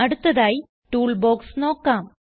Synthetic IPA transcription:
ɐɽut̪ːɐðaːji | ʈuːɭbo̞ːksno̞ːkːaːm

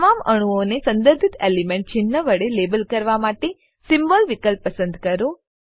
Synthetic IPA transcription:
mamə̰ɽ̃uonesə̃nd̪əɾd̪ʱit̪elimẽɳʈ̚t͡ʃʰinːəʋəɽelebəlkəɾʋamaʈe | simbəlʋikəlpːəsənd̪kəɾo

